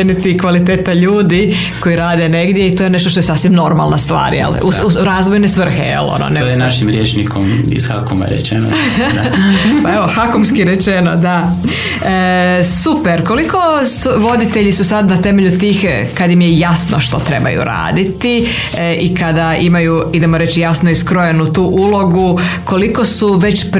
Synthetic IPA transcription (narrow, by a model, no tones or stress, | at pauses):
enit̪ikʋalit̪eːt̪aʎuːd̪i | ko̞jiɾaːd̪e̞ne̞ɡd̪jeit̪oje̞neʃt̪oʃt̪oesaːsʋimno̞ɾmalˠnast̪ʋa̰ːɾjḛluuɾaːzʋo̞jnesʋr̩xḛjḛlˠo̰no̰nejnaʃimɾjeːt͡ʃnikʰomḭz̥xa̰koma̰ɾḛt͡ʃeno̰ | paeʋoxakomskiɾet͡ʃeno̰d̪a | əsupeɾko̞liko̞suʋo̞d̪it̪eʎisusad̪nat̪e̞meʎut̪iːx | kad̪jimjejasnoʃt̪o̞t̪ɾe̞ba̰jṵɾa̰ːd̪it̪i | ikad̪aimajuid̪e̞moɾe̞t͡ʃijasno̞iskɾoje̞nut̪uːʔulo̞ɡuko̞liko̞suʋe̞t͡ɕp